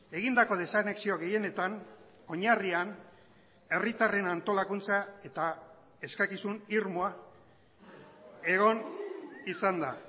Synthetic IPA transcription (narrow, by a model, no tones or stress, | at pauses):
e̞ɣind̪ako̞ð̞e̞sane̞ksio̞ɣe̞je̞ne̞t̪an | o̞ɲarian | e̞rit̪are̞nant̪o̞lakunt͡sae̞t̪a | e̞skakisuniɾmoa | e̞ɣo̞nisand̪a